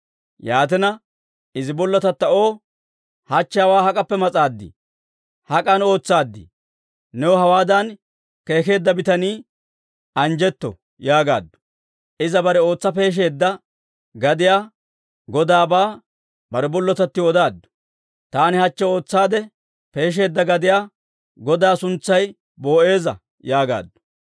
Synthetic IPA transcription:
jaːt̪̬ɛnɐ | ɪzɪbɔlːɔt̪ɐt̪ːɐo̞ː | hɐt͡ʃːɛjɐwaːhɐkʼɐpːɛmɐt͡sʼaːd̪ːɪ̰ | hɐkʼɐno̞ːt͡sːaːd̪ːɪ̰ | nɛwɔhɐwaːd̪ɐn | ke̞ːke̞ːd̪ːɐbɪt̪ɐniː | ɐnd͡ʒɛt̪ːɔ̰ | jaːɡa̰ːd̪ːʊ̥ | ʔɪzɐbɐɾɛo̞ːt͡sːɐpe̞ːʃ̬e̞ːd̪ːɐ | ɡɐd̪ɪjaː | ɡɔd̪aːbaː | bɐɾɛbɔlːɔt̪ɐt̪ːɪwɔd̪aːd̪ːʊ̥ | t̪aːnɪhɐt͡ʃːɛo̞ːt͡sːaːd̪ɛ | pe̞ːʃ̬e̞ːd̪ːɐɡɐd̪ɪjaː | ɡɔd̪aːsʊnt͡sːɐj | bo̞ːʔe̞ːzɐ̰ | jaːɡa̰ːd̪ːʊ̥

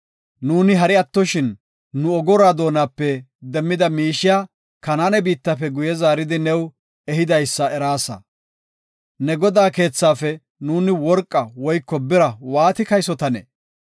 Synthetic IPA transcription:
nuːnɪɦɐɾɪɐt̪ːɔʃɪnː | ʊɔɡɔɾaːd̪o̞ːnaːpːɛ | d̪ɛmːɪd̪ɐmiːʃɪjaː | kɐnaːnɛbiːt̪ːɐpːɛɡʊjɛzaːɾɪd̪ɪnɛw | ɛhɪd̪ɐjsːɐɛɾaːsɐ̰ | nɛɡɔd̪aːke̞ːt͡sːaːfɛ | nuːnɪwɔɾkʼːɐwɔjkːɔbɪɾɐwaːt̪ɪkɐjsɔt̪ɐnɛ̰

